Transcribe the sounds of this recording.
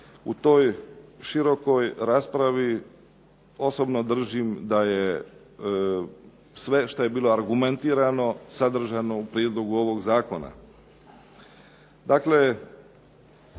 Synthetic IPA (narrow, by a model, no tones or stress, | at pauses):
ṵt̪o̞jʃiɾo̞ko̞jɾaːspɾaʋi | o̞so̞bnod̪r̩ʒimd̪aje | sʋe̞ʃt̪oje̞biːlˠo̞aɾɡument̪iːɾano̞sad̪r̩ʒano̞upɾjed̪lo̞ɡuo̞ʋo̞ɡzaːko̞na̰ | d̪akle̞